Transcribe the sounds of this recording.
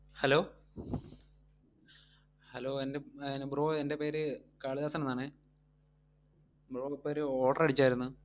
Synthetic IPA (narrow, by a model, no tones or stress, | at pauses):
hɐlo̞ː | hɐloːendenbɾoːende̞peːɾɨkaːɭiðaːsɐnɐmnaːɳɨ | broːpːeːɾɨoːʈːɐrɐɽit͡ɕːaːjiɾunːu